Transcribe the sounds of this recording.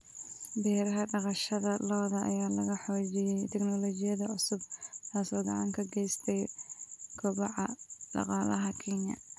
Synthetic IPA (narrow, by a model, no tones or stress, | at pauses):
bɛːɾɐɦɐɖɐqɑʃɐðɐlɔːðɐʔɐ̰jaːlɐɣɐħɔːt͡ʃɪjɛjt̪ʰɛɡnɔlɔːt͡ʃɪjɐðɐʕʊsʊb̚t̪ʰaːsɔːɡɐʕɑŋkʰɐɡɛjst̪ʰɛj | kʰɔβɑʕɑɖɑ̰qɑːlɐɦɐkʰɛnjɐ̰